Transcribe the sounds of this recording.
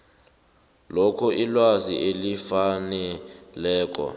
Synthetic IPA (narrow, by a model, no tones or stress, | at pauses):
lokʰɔʔilwaziʔelifanɛlɛːk̬ʼɔ̰